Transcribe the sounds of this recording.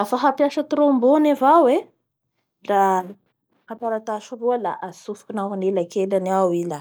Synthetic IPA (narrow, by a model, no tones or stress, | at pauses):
afaɦapjaʃət̪ɾombonevawe | ra | hapaɾat̪aʃuruəla̰ʔasufu̥kinaɦanelakelanawila